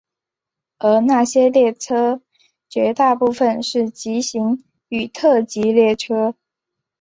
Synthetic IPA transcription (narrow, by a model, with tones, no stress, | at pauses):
ə˞˧˥na˥˩ɕjɛ˥ljɛ˥˩ʈ͡ʂʰɤ˥ | t͡ɕɥɛ˧˥t̪a˥˧pu˥˧fə˨nʂɻ̩˥˩t͡ɕi˧˥ɕi˧˥ŋ | y˨˩t̪ʰɤ˥˩t͡ɕi˧˥ljɛ˥˩ʈ͡ʂʰɤ˥